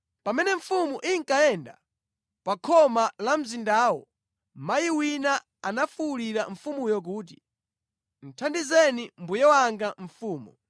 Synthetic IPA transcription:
pamɛnɛɱ̩fumuʔiŋkaɛnda | pakʰɔmalam̩zindaːwɔ | majiwina | anafuuliɾaɱfumujɔk̬uːt̬i | n̩tʰandizɛnimbujɛwaŋɡaɱ̩fuːmu

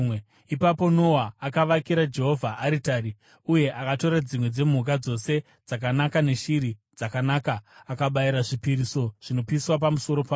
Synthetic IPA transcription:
ipapo̞no̞waːkaʋakiɾad͡ʒe̞ɦo̞vʱaʔːɾitaɾi | uje̞ʔakato̞ɾad͡zimwe̞d͡ze̞muk̬ad͡zo̞se̞ | d͡zak̬anakane̞ʃiɾid͡zakanaːkaːkaɓaiɾaʐipiɾiso̞ʐ̥ino̞piswap̬amuso̞ɾo̞pa

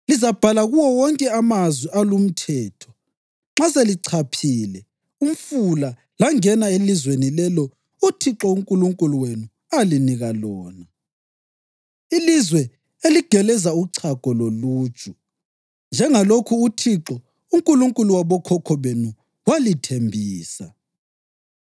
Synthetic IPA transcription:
lizab̥ʱalaɣuwɔwɔŋkʼɛamazwiɛalum̩tʰɛːtʰɔ̥ | ŋ͡ǁaseliǀʰapʰiːlɛ | um̩fula | laŋɛnaelizwenilɛlɔ | utʰiǁɔuŋkʼuluŋkʼuluwenu | aliniɣalɔːna | ilizwɛ | eliɡ̥ʱɛlɛzauǀʰakɔlolu̥ːt͡ʃʼu | nd͡ʒʱɛŋalokʰuːtʰiǁɔ | uŋkʼuluŋkʼuluwaβɔkʰɔkʰɔβenu | walitʰembʱiːsa

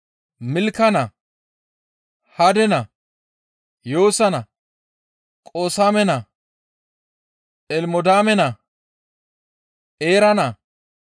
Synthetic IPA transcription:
mɪlkːɐnɐ | hɐd̪ɛnɐ | jo̞ːsɐnɐ | kʼoːsaːmɛnɐ | ʔɛlmɔd̪aːmɛnɐ | ʔeːɾɐnɐ

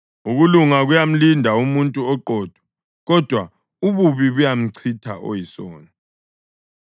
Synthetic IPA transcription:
uɣuluŋaɣujam̩lindʱaumuntʼuɔǃɔːd̥ʱwɔ̥ | ɣɔd̥ʱwa | uβuβiβujam̩ǀʰitʰa̰ʔo̰jisɔ̰ːna

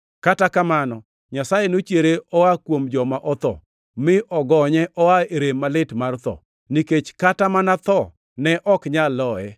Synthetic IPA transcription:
katakamanɔ | ɲasajenot͡ʃjeɾeɔwakwomd͡ʒɔmaʔɔt̪ɔ̰ | mɪʔɔɡɔɲɛʔɔwaeɾemːalɪtmart̪ɔ̰ | niket͡ʃkatamanat̪ɔ | nɛʔɔkɲalːɔɛ̰

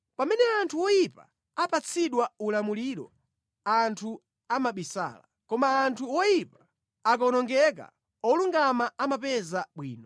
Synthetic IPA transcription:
pamɛnɛantʰuwɔjipa̰ | apat͡sʰiɗwaulamuliɾɔ̰ | antʰu | amaɓisa̰ːla̰ | kɔmaːntʰuwɔjipḁ | akɔnɔŋɡɛk̬a̰ | ɔluŋɡamaamapɛzaɓwḭːnɔ

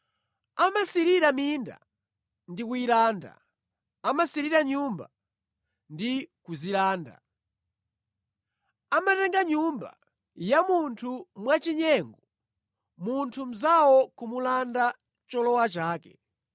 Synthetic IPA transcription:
amasiɾiɾaminda̰ | ndikuilaːnda̰ | amasiɾiɾaɲumba | ndikuzilaːnda̰ | amatɛŋɡaɲumba̰ | jamuntʰumwat͡ʃiɲɛŋɡɔ | muntʰum̩zawɔkumulanda | t͡ʃɔlɔwat͡ʃaːkɛ

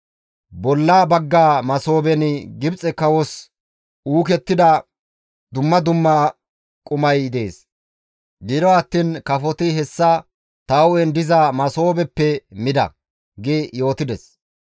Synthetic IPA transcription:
bɔlːaːbɐɡːaːmɐso̞ːbɛnɪɡɪbt͡sʼɛkɐwɔs | uːkɛt̪ːɪd̪ɐ | d̪ʊmːɐd̪ʊmːɐ | kʼʊmɐjd̪e̞ːs | ɡɪd̪ɔɐt̪ːiːnkɐfɔt̪ɪɦɛsːɐ | t̪ɐwɛnd̪ɪzɐmɐso̞ːbɛpːɛmɪd̪ɐ̰ | ɡejo̞ːt̪ɪd̪ɛs

